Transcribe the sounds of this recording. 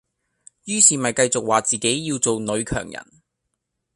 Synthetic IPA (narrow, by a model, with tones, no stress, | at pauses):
jyː˥siː˨mɐ˨jkɐ˧jt͡sʊ˨k̚waː˨t͡siː˨ke˨˥jːiː˧wt͡so˨wnɵ˨˧ɥkʰœ̰ː˨˩ŋjɐ̰˨˩n